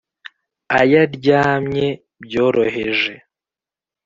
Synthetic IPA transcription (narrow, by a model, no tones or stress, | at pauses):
ajaɾɟaːmɲe̞ | bjo̞ːɾo̞ɦe̞ʒe̞